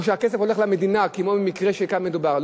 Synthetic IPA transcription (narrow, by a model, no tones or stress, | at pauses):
ʃeakesefo̞le̞χlamed̪inakimobimikʁeʃekanmed̪ubaʁl